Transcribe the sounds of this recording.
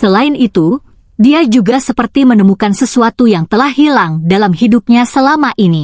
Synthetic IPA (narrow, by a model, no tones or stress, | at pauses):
səlaɪnit̪u | diad͡ʒuɡasəpərt̪imənəmukansəsuat̪ujaŋt̪əlahɦilaŋdalamɦidup̚ɲasəlamaʔini